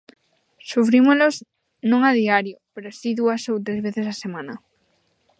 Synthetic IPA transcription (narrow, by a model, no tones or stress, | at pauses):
sufɾimoloz | nõŋaðiaɾjopeɾoʊasiðuasowt̪ɾezβeθesasemãnɐ